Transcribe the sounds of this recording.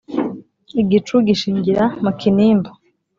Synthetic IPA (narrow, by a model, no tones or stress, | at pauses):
iɡit͡ʃuɡiʃiːɲɟiɾamukiniːmbo